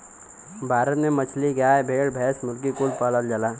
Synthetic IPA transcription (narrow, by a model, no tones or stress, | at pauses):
bʱaːɾət̪memɐt͡ʃʰliɡaːebʱeːɽbʱɛːsmʊlk̬ikʊlpaːləld͡ʒəlaː